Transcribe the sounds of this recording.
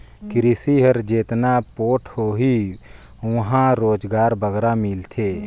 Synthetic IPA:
kɪɾisiɦəɾd͡ʒeːt̪napoːʈʰhoːɦi | ʊɦãɾoːd͡ʒɡaːɾbəɡɾamilt̪ʰeː

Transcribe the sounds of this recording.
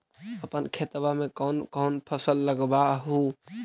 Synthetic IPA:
əpənkʰet̪bamẽkɔːnkɔːnpʰəsəlːəɡbaɦu

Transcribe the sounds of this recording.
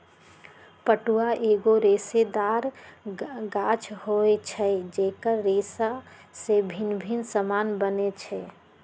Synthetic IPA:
pəʈuaʔeɡoɾesed̪aɾ | ɡat͡ʃʰhoet͡ʃʰɛd͡ʒekəɾːesa | sebʱinbʱinsəmanbənet͡ʃʰɛ

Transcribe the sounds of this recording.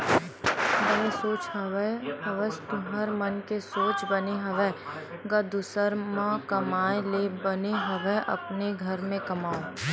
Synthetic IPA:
d̪ɐlesoːt͡ʃɦɐʋhɐʋəst̪ʊɦəɾmɐnkesoːt͡ʃbɐneɦɐʋɛɡɐd̪ʊsəɾmãkɐmaːelebəneɦɐʋɛʔɐ̰pneɡʱɐɾmẽkɐmaːo

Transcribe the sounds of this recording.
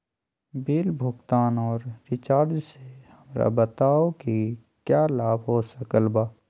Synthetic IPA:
beːlbʱʊɡt̪aːnɔːɾɾɪt͡ʃaːɾd͡ʒsehɐmɾa̰bət̪aːoki | kjaːlaːbɦoːsəkəlbaː

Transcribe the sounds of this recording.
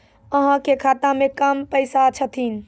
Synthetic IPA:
əɦãkekʰat̪ãmekəmpəɪsat͡ʃʰət̪ʰin̆

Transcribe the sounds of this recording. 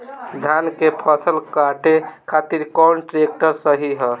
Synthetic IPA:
d̪ʱankepʰɔsəlkaʈekʰat̪iɾkɔwnʈɾek̚ʈəɾsəɦiɦə

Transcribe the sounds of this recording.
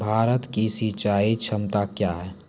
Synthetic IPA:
bʱaːɾət̪kisit͡ʃaːit͡ʃʰəmt̪akjaːɦɛː

